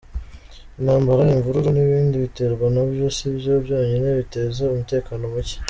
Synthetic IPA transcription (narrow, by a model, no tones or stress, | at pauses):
inhaːmbaɾaiɱvuɾuɾoniβiːndiβite̞ɾɡwanaβjosibjobjo̞ːɲeneβite̞zeumute̞ːkaːno̞muce̥